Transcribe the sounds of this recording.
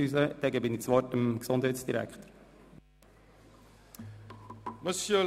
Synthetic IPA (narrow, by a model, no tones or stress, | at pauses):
yzəd̥̪ɛɡəbɪnit͡sʋɔtəmksondhɛjtsd̥iɾæ̰kχtəɾ | məsjə